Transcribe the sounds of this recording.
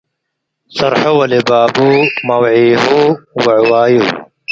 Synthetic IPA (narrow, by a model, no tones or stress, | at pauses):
sɐɾħuwɐlibaːbumɐwʕiːɦuwɐʕwaːju